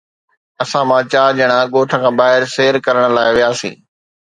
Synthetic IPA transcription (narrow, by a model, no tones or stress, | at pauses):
ɐsãmãːt͡ɕaːd͡ʑɐɽ̃aɠoːʈʰəkʰãːbaːɦɪɾseːɾkɐɾəɽ̃laːɪʋijaːsḭ̃ː